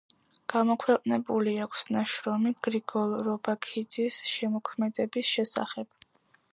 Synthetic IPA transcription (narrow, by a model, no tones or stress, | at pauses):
ɡ̥amɔkʰwɛqʼnɛbuliakʷʰsnaʃɾɔmiɡ̥ɾiɡɔlɾɔbakʰid̪zisʃɛmɔkʰmɛd̪ɛbisʃɛsa̰χɛb̥